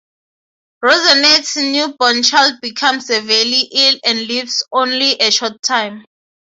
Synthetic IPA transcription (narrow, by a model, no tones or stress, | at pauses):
ɹozanɛtsnjubɔ̃nt͡ʃʰald̚bikʰãmsevɛliʔilɛ̃ndlivsõnliʔeʃɔtʰːãjm